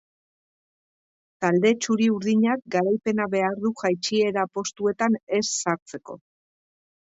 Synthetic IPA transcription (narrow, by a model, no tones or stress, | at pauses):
t̪ald̪e̞t͡ʃuɾiuɾðiɲak̚ɡaɾajpe̞naβe̞aɾðuʝajt͡ʃie̞ɾapo̞st̪ue̞t̪ane̞sːaɾt͡se̞ko̞